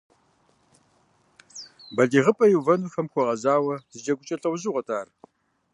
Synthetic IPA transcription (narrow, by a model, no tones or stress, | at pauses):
bɐɮiːʁəpʼɐjuwvɐnuːfɐmxʷɔʁɐzaːwɐzɨd͡ʒɐɡʷʊt͡ʃʼɐɬʼɐwzuʁɐtʰaːr